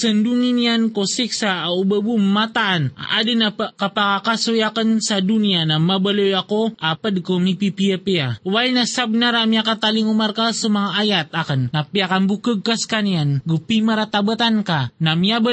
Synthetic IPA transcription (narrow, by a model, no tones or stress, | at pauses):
sənduŋiniankosiksaaubəbummːat̪aʔːna̰dənapəkapakakasojakənsadunianamabəlojakoapədkomipipiapiawainasabənaɾamiakat̪aliŋumarkasəmaŋaajat̪̚akənnapiakanbukəɡ̚kaskanianɡupimaɾat̪abət̪ankanamiabə